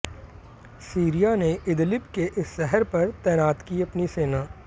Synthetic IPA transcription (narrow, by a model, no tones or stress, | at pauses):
siːɾijaneʔɪd̪lɪbkeʔɪsːɛɦəɾpɐɾt̪ɛːnaːt̪kiɐpniseːnaː